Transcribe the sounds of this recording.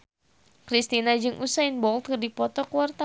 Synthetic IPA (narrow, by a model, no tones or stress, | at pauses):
kɾist̪inad͡ʒɨŋʔusainbɔlt̪̚kɨrdipɔt̪ɔkuwart̪a